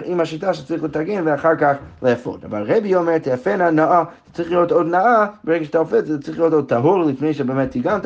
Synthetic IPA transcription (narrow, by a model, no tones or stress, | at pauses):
ʔimhaʃitaʃe̥t͡sʁiχlətaɡenveaχaʁkaχleafo̰da̰va̰lˠʁebiomeʁt̪ʰafenanaaz̥t͡sʁiχlijotod̪naabeʁɛɡaʃe̥t̪aofɛtzɛt͡sʁiχlijotod̪̚t̪ʰaɦuʁlifnejʃebemɛtʰiɡant